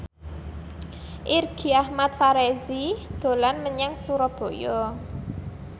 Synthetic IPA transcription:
ʔirɡ̥iahmat̪̚faɾezid̪̥o̤lanməɲaŋsuɾɔb̥o̤jɔ

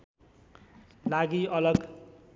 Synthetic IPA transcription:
laɡiʌlʌɡ

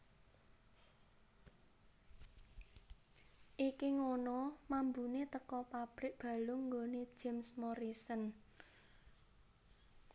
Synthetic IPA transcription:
ʔikiŋonɔmambunet̪əkɔpab̥ɾɪʔ̚b̥ä̤lʊŋŋɡone̥d͡ʒ̥emsmɔɾisən

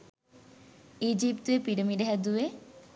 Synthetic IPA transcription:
id͡ʒipt̪uepiɖəmiɖeɦɛd̪ue

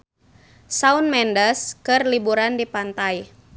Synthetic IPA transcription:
saunmɛndəskɨrlibuɾandipant̪aj

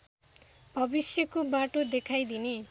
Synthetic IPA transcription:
bʱʌbisjʌkobaʈod̪ekʰajd̪ini

